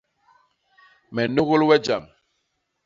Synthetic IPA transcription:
mɛ˨no˦ɣo˦lwɛ˦d͡ʒa˨m

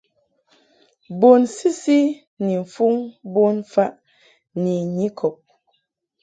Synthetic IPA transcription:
bo˨nsi˦si˦ | ni˨ɱ̩˨fu˦ŋbo˦nfa˦ʔ | ni˨ɲi˦kʰɔ˨p̚

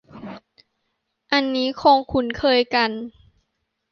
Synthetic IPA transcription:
ʔa˧nːiː˦˥kʰoː˧ŋkʰu˧˩nkʰɤː˧˨jka˧n

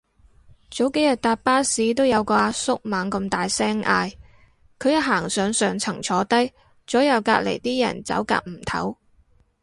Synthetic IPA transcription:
t͡so˨˥wke˨˥jɐ˨t̚t̪aː˨˧t̚paː˥siː˨˧t̪̬o˥wjɐ˨˧wkɔː˧aː˧sʊ˥k̚maː˨ŋkɐ˧mt̪aː˨jsɛː˥ŋʔa̰ː˧j | kʰɵ˨˧ɥjɐ˥ɦaː˨˩ŋsœː˨ŋsœː˨ŋt͡sʰɐ˨˩ŋt͡sʰɔː˨˧t̪ɐ˥j | t͡sɔː˨˥jɐ˨˧wka̰ː˧k̚lḛ˨˩jt̪iː˥jɐ̰˨˩nt͡sɐ̰˨˥wka̰ː˧k̚m̩˨˩t̪ʰɐ̰˨˥w

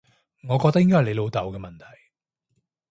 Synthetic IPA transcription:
ŋɔː˨˧kɔː˧k̚t̪ɐ˥jɪ˥ŋkɔː˥˨˩le˨˧lo˨˧wt̪ɐ˨wkɛː˧mɐ˨nt̪ʰɐ̥˨˩j

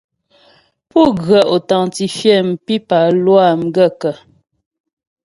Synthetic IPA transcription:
pu˦˨ɣɰə˨ʔo˨taɑ˨ŋti˨fjɛ˦˨m̩˨pi˦pa˨lwa˦˨m̩˨ɡə˦˨kə˨

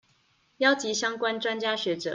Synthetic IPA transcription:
jɑ˥ʊt͡ɕi˧˥ɕjɑ˥ŋkwa˥nʈ͡ʂwa˥nt͡ɕja˥ɕɥɛ˧˥ʈ͡ʂɤ̰˨˩

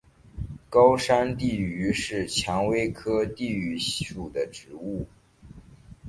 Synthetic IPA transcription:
kɑ˥ʊʂa˥nt̪i˥˩y˧˥ʂɻ̩˥˩t͡ɕʰjɑ˧˥ŋwe˥ɪkʰɤ˥t̪i˥˩y˧˥ʂu˨˩d̪ə˦ʈ͡ʂɻ̩˧˥u˥˩

